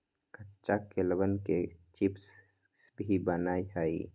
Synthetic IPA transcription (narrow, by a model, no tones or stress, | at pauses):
kəʈt͡ʃakːeləbənket͡ʃips | bʱibənaːiɦəi